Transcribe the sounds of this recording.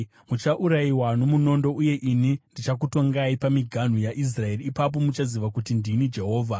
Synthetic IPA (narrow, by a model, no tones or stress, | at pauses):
mut͡ʃaʔuɾaiwano̞muno̞ndo̞uje̞ʔinindit͡ʃakuto̞ŋɡaipamiɡʱan̤ujaʔis̬rae̞riːpap̬o̞mut͡ʃaziʋakutindinid͡ʒe̞ɦo̞ːvʱa